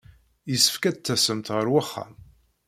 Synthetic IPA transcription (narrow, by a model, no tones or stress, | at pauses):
jəsə̥fkæd̪t͡s̪ːæsəmt̪ʁəɾwaχːa̰m